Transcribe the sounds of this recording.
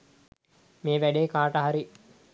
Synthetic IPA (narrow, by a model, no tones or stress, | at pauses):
meːʋæɖeːkaːʈəɦaɾi